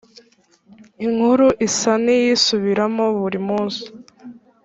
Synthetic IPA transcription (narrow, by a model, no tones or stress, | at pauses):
iŋ̥huɾuʔisanijisuβiɾamo̞βuɾimuːzu̥